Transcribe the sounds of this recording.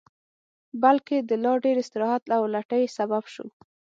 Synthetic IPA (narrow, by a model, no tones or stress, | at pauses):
balked̪əlɑɖeɾɪst̪ɪɾɑhat̪lawlaʈəjsababʃṵ